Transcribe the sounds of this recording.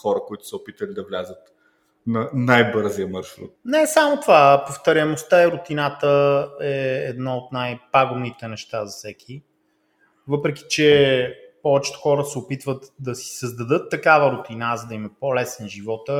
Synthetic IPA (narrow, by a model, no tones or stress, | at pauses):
xɔɾəkoit̪ʊ̥sɛopit̪əlid̪ɐvlʲazət̪ | nɐnajbɤɾzijəmɐɾʃɾṵt̪̚nɛsamot̪ovapoft̪ɐɾʲjɐmost̪aɛɾʊt̪inat̪əɛːd̪naot̪najpaɡomnit̪ɛnɛʃt̪azɐfsɛkʲʰi | vɤpɾɛki̥t͡ʃɛpɔvɛt͡ʃt̪o̥xɔɾəsɛopit̪vət̪d̪ɐsi̥səzd̪ɐd̪ɤt̪ːɐkavəɾʊt̪inazəd̪ɐimɛpolɛsɛnʒivɔt̪ə